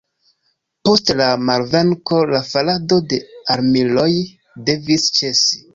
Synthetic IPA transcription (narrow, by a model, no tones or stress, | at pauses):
po̞stlamaɾve̞ŋko̞lafalado̞de̞aɾmilo̞j | de̞vist͡ʃe̞si̥